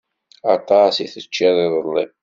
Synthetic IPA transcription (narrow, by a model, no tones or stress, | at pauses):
ɑt̪ɑsiθət͡ʃːæðɪðˤəlˤːḭ